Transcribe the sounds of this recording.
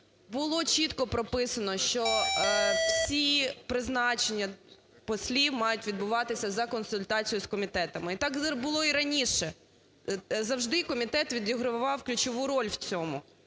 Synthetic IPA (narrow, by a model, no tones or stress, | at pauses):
bʊlˠɔt͡ʃʲit̪kɔpɾɔpɪsɐnɔʃt͡ʃɔ | wsʲipɾɪznɑt͡ʃenʲːɐ | pɔsʲlʲiwmɑjʊtʲʋʲid̪̚bʊʋɑt̪ɪsʲɐzɐkɔnsʊlʲt̪ɑt͡sʲijʊskɔmʲit̪ɛt̪ɐmɪit̪ɑkbʊlˠɔiɾɐnʲiʃɛ | zɐwʒd̪ɪkɔmʲit̪ɛt̪ʋʲid̪ʲiɦɾʊʋɑwklʲʊt͡ʃɔʋuɾɔlʲwt͡sʲɔmʊ